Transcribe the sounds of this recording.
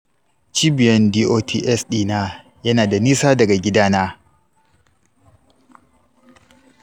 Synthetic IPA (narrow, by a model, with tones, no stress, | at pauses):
t͡ʃiː˦bɪ˨jɐ˦ndiː˦ʔoː˦tʰiː˦ʔɛ˦sɗiː˦˨na˦ | jɐ˦naː˨da˨niː˦saː˦dɐ˨ɡa˨ɡʲɪ˦daː˦naː˦